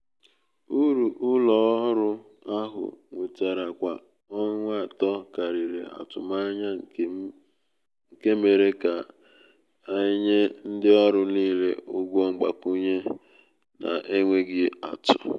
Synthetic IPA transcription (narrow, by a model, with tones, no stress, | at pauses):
u˦ɾu˨ʔʊ˦lɔ˨˦ɾʊ˦ | a˦ɦʊ̰˨ŋʷe˨ta˨ɾa˨kʷa˨ | ɔ˦ŋʷ˦a˨tɔ˦ka˨ɾi˨ɾḛ˨a̰˨tʊ̰˨ma˦ɲa˦ | ŋ̩˨ke˦me˨ɾe˦ka˨ | a˦ɲe˦n̩˦dɪ˦ɔ˦ɾʊ˦niː˦lḛ˦ʊ˦ɡʷɔ˦ŋ͡m̩˦ɡ͡ba̰˨ku˦ɲe˦ | na̰˨ʔe˦ŋʷe˦ɡɪ˦a̰˨tʊ̥̰˨